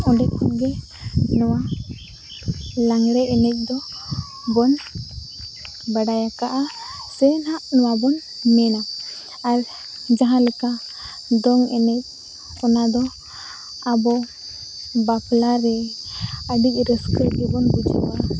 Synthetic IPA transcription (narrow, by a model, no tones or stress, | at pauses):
ɔɖɛkʰɔnɡɛ | nɔwa | laŋɾɛʔɛnɛc̚ˀd̪ɔ | bɔn | bəɖajakaʔa | sɛnhaʔnɔwabɔn | mɛna | aɾ | d͡ʒaɦãləka | d̪ɔŋɛ̰nɛc̚ | ɔnad̪ɔ | abɔ | bapʰlaɾɛ | əɖic̚ˀɾəskɾəɡɛbɔnbud͡ʒa̰wa